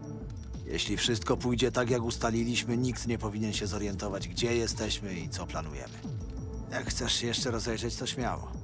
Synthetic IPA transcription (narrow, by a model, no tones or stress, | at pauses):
jɛ̰ɕlʲifʂɘst̪̚kɔpujd͡ʑɛt̪akjaɡust̪alʲilʲiɕmɘɲikt̪ɲɛpɔvʲiɲɛnɕɛzɔɾjɛnt̪ɔvad͡ʑɡd͡ʑɛjɛst̪ɛɕmɘit̪sɔplanujɛ̰mɘ | jakxt̪sɛʂɕɛjɛʂt͡ʂɛɾɔzɛjʐɛt͡ɕt̪ɔɕmʲja̰wɔ̰